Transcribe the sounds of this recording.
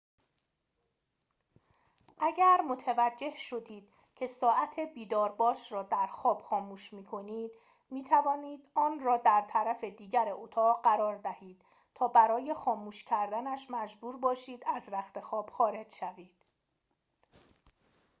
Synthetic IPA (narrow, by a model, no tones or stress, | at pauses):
ʔæɟæɾmo̞t̪ʰevæd͡ʒːe̞hʃo̞d̪iːd̪̥̚ | cʰe̞sɒːʔæt̪ʰe̞biːd̪ɒːɾbɒːʃɾɒːd̪æɾxɒːb̥xɒːmuːʃmiːkʰo̞niːd̪̥ | miːt̪ʰævɒːniːd̪ɒːnrɒːd̪æɾt̪ʰæɾæfed̪iːɟæɾeʔot̪ʰɒːɣɢæɾɒːɾd̪æhiːd̪̥ | t̪ʰɒːbæɾɒːje̞xɒːmuːʃcʰæɾd̪ænæʃmæd͡ʒbuːɾbɒːʃiːd̪æzɾæxt̪e̞xɒːb̥xɒːɾe̞d͡ʒʃæviːd̪̥